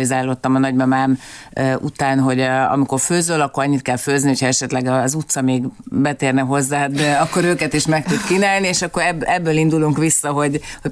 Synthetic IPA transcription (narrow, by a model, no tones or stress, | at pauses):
izaːlot̪ːɒmɒnɒɟmɒmaːmøːʔṵt̪aːnɦo̞ɟɒ̰miko̞rføːzøːlɒkːoɾɒɲːit̪kɛlføːzniho̞cʰhɒɛʃɛt̪lɛɡɒzut̪sɒmeːɡbɛt̪eːrnɛɦo̞zːaːd̪ɛɒkːo̞ɾøːkɛt̪iʃmɛkt̪ud̪kinaːlnieːʃɒkːo̞ɾɛbɛbːøːlind̪uluŋkʋisːɒɦo̞ɟho